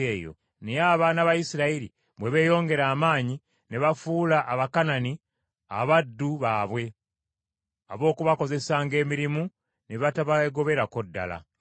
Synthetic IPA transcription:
eːjo̞̰ | neaːβanaβajisiɾaiɾḭ | βwe̞βe̞ːjo̞ːŋɡe̞ɾaːmaːɲi | ne̞βafuːlaʔaβakanani | a̰βadːuβaːβwe̞ | aβo̞ːkuβako̞ze̞saːŋɡe̞ːmiɾimu | neβataβaeɡo̞βe̞ɾako̞dːa̰la̰

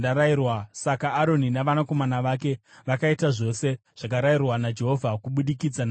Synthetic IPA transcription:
daɾairwasakaːɾo̞ninaʋanako̞manaʋake̞ | ʋakaitaʐo̞se̞ʐ̥akaɾairwanad͡ʒe̞ɦo̞vʱakuɓuɗikid͡zan

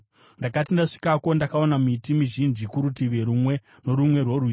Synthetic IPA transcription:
ndakatindaʂi̥kako̞ndakaonamitimiʒind͡ʒikuɾutiʋe̞ɾumwe | no̞ɾumwe̞rworwi

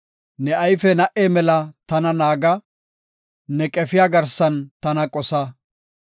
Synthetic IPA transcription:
nɛʔɐjfɛnɐʔeːmɛlɐt̪ɐnɐnaːɡɐ | nɛkʼɛfɪjaːɡɐɾsɐnt̪ɐnɐkʼɔsɐ

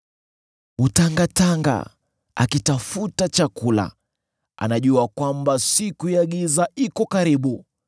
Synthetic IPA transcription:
utaŋɡataŋɡa̰ | a̰kitafutat͡ʃakula̰ | a̰naʄuakwambasikuijaɠizaikɔkaɾiɓu

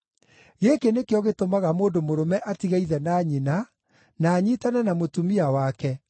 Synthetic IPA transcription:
ɣekenekejɔɣetomaɣamoːndomoɾomɛʔatiɣaiðɛnaːɲina | naːɲiːtanɛnamotumiawakɛ

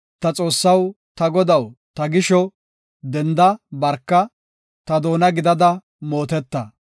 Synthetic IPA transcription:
t̪ɐt͡sʼo̞ːsːɐw | t̪ɐɡɔd̪ɐwt̪ɐɡɪʃɔ | d̪ɛnd̪ɐbɐɾkːɐ | t̪ɐd̪o̞ːnɐɡɪd̪ɐd̪ɐ | mo̞ːt̪ɛt̪ːɐ

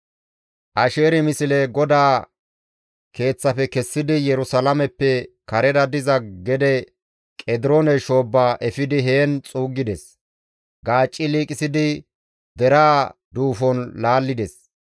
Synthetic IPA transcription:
ʔɐʃe̞ːɾɪmɪsɪlɛɡɔd̪aː | kʰe̞ːt͡sːɐfɛkɛsːɪd̪ɪjɛɾʊsɐlɐmɛpːɛkɐɾɛd̪ɐd̪ɪzɐɡɛd̪ɛ | kʼɛd̪ɪɾonɛʃo̞ːbːaːʔɛfɪd̪ɪɦe̞ːnt͡sʼuːɡːɪd̪ɛs | ɡaːt͡ʃʼːɪliːkʼɪsɪd̪ɪ | d̪ɛɾaː | d̪uːfɔnlaːlːɪd̪ɛs

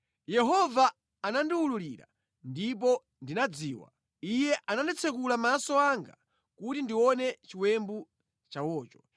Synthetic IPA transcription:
jɛɦɔvaː | nandiwululiɾa̰ | ndip̬ɔ | ndinad͡ziːwa̰ | ijɛʔanandɛt͡sʰɛkulamasɔaŋɡa̰ | kutindiwɔnɛt͡ʃiwɛmbu | t͡ʃawɔːt͡ʃɔ̥

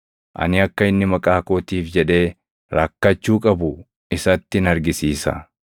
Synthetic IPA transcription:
ʔɐ̰nɪɐkːɐɪnːɪmɐkʼaːkoːt̪iːfd͡ʒɛᶑe̞ː | ɾɐkːɐt͡ʃːuːkʼɐbʊ | ɪsɐt̪ːɪɪnɐɾɡɪsiːsɐ̰

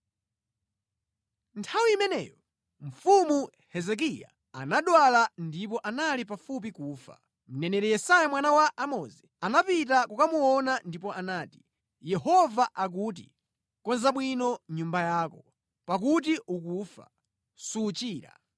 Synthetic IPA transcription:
ntʰawiːmɛnɛ̰jɔ | ɱ̩fumu | hɛzɛk̬ija̰ | a̰naɗwalandip̬ɔʔanalip̬afup̬ikuːfa̰ | m̩nɛnɛɾɛjɛsajamwanawaʔamɔzɛ | anapitakukamuɔnandipɔʔanaːti̥ | jɛhɔvaʔak̬uːt̬ḭ | kɔnzaɓwinɔɲumbajaːkɔ | pak̬ut̬iukufa̰ | sut͡ʃiːɾa̰

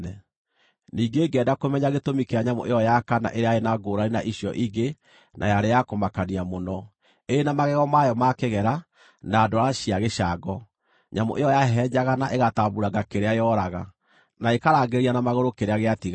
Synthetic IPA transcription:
ɛ | niːɡeːɡɛdakomɛɲaɣetomikeaɲamo̰ʔejɔjakana̰ʔeɾeaenaɡoːɾaɾenaʔiɕjɔʔiɡe | nʔa̰jaɾejakomakaniamonɔ | enamaɣɛɣɔmajɔmakeɣɛɾa | naːdoaɾaɕiaɣeɕaɡɔ | ɲamo̰ʔejɔjaɦɛd͡ʑaɣanaʔeɣataːbuɾaɡakeɾeajɔɾaɣa̰ | naekaɾaːɡeɾianamaɣoɾokeɾeaɣeatiɣa

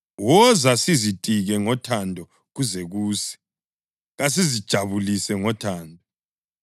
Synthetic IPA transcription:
wɔzasizitʼiɣɛŋɔtʰandʱɔ | ɣuzɛɣuːsɛ̥ | ɣas̬izid̥ʒ̥ʱaβulisɛŋɔtʰaːndʱɔ

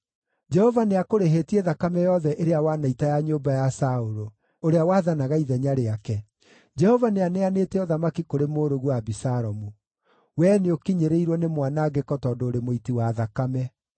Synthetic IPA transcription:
d͡ʒɛhɔvaneakoɾeɦetieðakamɛjɔðɛʔeɾeawanaitajaɲoːmbajasaoɾo | oɾeawaːðanaɣaiðɛɲaɾeakɛ | d͡ʒɛhɔvaneaneaneːtɛɔðamakikoɾemoːɾoɣwabisaɾɔmu | wɛːneokiɲeɾeiɾwɔnemwanaɡekɔtɔːdoːɾemoitiwaðakamɛ

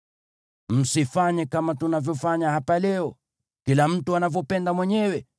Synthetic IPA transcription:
m̩sifaɲɛkamatunavjɔfaɲahapalɛɔ | kilam̩tuanavjɔpɛndamwɛɲɛwɛ

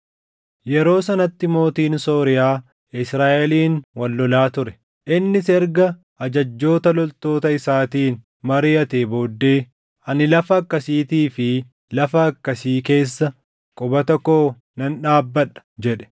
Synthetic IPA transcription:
jɛɾo̞ːsɐnɐt̪ːɪmo̞ːt̪iːnso̞ːɾɪjaː | ɪsɾaːʔɛliːnwɐlːɔlaːt̪ʊɾɛ̥ | ʔɪnːɪsɛɾɡɐ | ʔɐd͡ʒɐd͡ʒːo̞ːt̪ɐlɔlt̪o̞ːt̪ɐɪsaːt̪iːn | mɐɾɪjɐt̪eːboːd̪ːe̞ː | ʔɐnɪlɐfɐːkːɐsiːt̪iːfɪ | lɐfɐːkːɐsiːke̞ːsːɐ | kʼʊbɐt̪ɔkːo̞ː | nɐnᶑaːbːɐᶑɐ̥d͡ʒɛᶑɛ̥

